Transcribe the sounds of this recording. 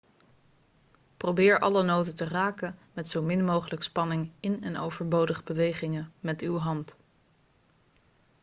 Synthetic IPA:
prowbɪːɹʔɑ̰lənowtətəraːkənmɛtsowmɪnmowχələkspɑnɪŋɪnɛno̰wvəɹbowdəχəbəʋejχɪŋəmɛtywɦɑnt

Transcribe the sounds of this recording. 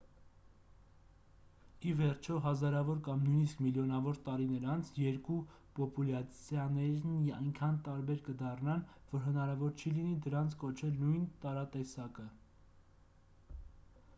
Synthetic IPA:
ivɛrt͡ʃʰɔɦɑzɑɾɑvɔɾkɑmnujniskmiljɔnɑvɔɾt̪ɑɾinəɾɑnt͡sʰjɛɾku | pɔpulɑt͡sʰjɑnɛɾnɑjnkʰɑnt̪ɑɾbɛɾkəd̪ɑrnɑnvɔɾɦənɑɾɑvɔɾt͡ʃʰilinid̪əɾɑnt͡sʰkɔt͡ʃʰɛlnujnt̪ɑɾɑt̪ɛsɑkə

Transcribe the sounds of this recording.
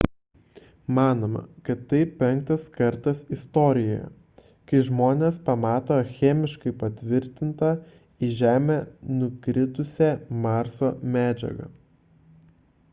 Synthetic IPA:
mɑːnoːmɐ̰kɐt̪ːɐɪpʲɛŋk̚t̪ɐskɐɾt̪ɐsɪst̪ɔːɾʲɪjoːjɛ̰ | kɐɪʒmoːnʲeːspɐmɑːt̪oːxʲeːmʲɪʃkɐɪpɐt̪ʲʋʲɪɾʲt̪ʲɪnt̪ɐ | iʒʲæːmʲeːnʊkɾʲɪt̪ʊsʲɛmɑɾsoːmʲæːd͡ʒʲɛ̰ɡɐ̰

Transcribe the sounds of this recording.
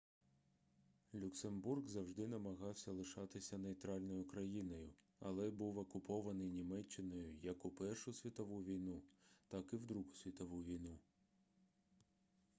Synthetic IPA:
lʲʊksemburɡzɐwʒd̪ɪnɐmɐɦɑwsʲɐlˠɪʃɑt̪ɪsʲɐnejt̪ɾɑlʲnɔjʊkɾɐjinɔjʊ | ɐ̰lˠɛbuwɔkʊpʰɔʋɐnɪjnʲimɛt͡ʃːɪnɔjʊjɐkʊpɛrʃʊsʲʋʲit̪ɔʋuʋʲijnut̪ɑkɪwd̪ɾuɦʊsʲʋʲit̪ɔʋuʋʲijnu

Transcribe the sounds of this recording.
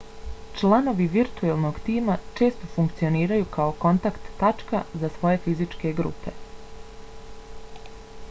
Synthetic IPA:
t͡ʃlˠano̞ʋiʋiɾt̪uelˠno̞ɡt̪iːmat͡ʃe̞ːst̪o̞fuŋkt̪sio̞niːɾajukaoko̞nt̪akt̪ːat͡ʃkazasʋo̞je̞fizit͡ʃke̞ɡɾṵːpe̞̰

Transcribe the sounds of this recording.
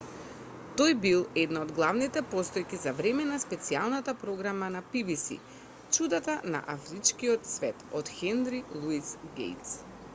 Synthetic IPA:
t̪ojbilˠɛd̪naod̪ɡlˠavnit̪ɛpɔst̪ɔjkizavɾɛmɛnaspɛt̪sialˠnat̪apɾɔɡɾamanapibisḭ | t͡ʃud̪at̪ana̰ʔafɾit͡ʃkiɔt̪svɛt̪ɔt̪xɛnd̪ɾilˠuisɡḛjt̪s

